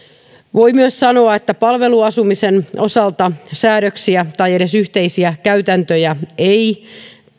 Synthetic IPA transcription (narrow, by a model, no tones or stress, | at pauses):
ʋoimyøssɑno̞ɑet̪ːæpɑlʋe̞luɑsumise̞nʔo̞sɑlt̪ɑsæːɾøksiæt̪ɑje̞ɾe̞syht̪e̞isiækæyt̪ænt̪øjæei